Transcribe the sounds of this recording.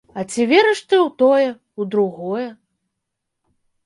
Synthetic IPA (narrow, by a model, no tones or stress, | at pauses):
ɐt͡sʲivʲɛɾɛʂt̪ɨwt̪ɔjɛ | ud̪ɾuɣɔjɛ